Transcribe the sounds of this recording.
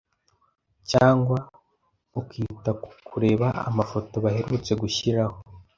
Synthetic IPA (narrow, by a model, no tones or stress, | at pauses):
caːŋɡwa | ukiːtakʰuɾe̞ːβaa̰mafo̞to̞βahe̞ɾut͡se̞ɡuçiɾaho